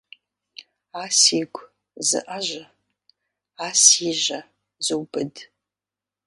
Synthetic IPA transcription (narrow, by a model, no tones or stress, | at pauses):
aːsiːɡʷ | zɨ̰ʔɐʒɐ | aːsiːʒɐ | d͡zɨwbɨd